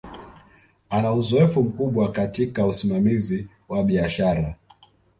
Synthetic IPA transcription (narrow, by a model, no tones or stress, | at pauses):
anauzɔɛfum̩kuɓwakatikausimamizi | waɓiaʃaɾa